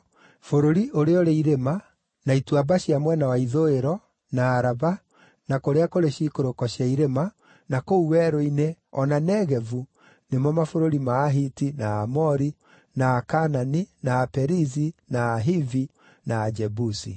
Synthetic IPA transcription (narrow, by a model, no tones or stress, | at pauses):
foɾoɾiʔoɾeɔɾeiɾema | naitwabaɕiamwɛnawaiðoeɾɔ | naːɾaβa | nakoɾeakoɾeɕikoɾokɔɕiaiɾema | nakouwɛːɾoineɔnanɛɣɛvu | nemɔmafoɾoɾimaːɦitinaːmɔɾi | naːkananinaːpɛɾizinaːɦivi | naːd͡ʒɛbusḭ